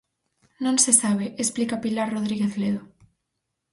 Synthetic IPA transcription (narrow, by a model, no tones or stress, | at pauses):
nõnsesaβ̞eesplikapilaɾroðɾiɣeθleðo